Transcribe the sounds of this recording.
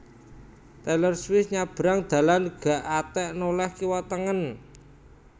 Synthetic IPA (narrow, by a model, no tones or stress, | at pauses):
t̪ɛlərswɪsɲab̥ə̤ɾaŋd̪̥ä̤lanɡ̥a̤ʔat̪ɛʔnolɛhkiwat̪əŋən